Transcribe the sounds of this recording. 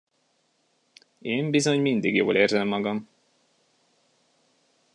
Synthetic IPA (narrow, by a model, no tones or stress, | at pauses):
eːmbizoɲmind̪iɡjoːleːrzɛmːɒɡɒm